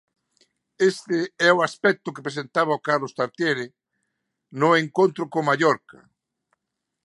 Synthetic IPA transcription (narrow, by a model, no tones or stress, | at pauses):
est̪ɪɛoaspɛk̚t̪ʊkepɾes̬ent̪aβaokaɾlost̪aɾt̪jeɾɪ | nʊeŋkõnt̪ɾʊkomaʎɔɾka